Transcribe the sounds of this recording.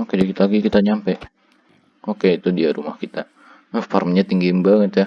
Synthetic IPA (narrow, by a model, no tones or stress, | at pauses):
okedikit̪alaɡikit̪aɲampɛ | okeit̪udiaɾumahkit̪a | əfarmɲat̪iŋɡimbaŋət̪ja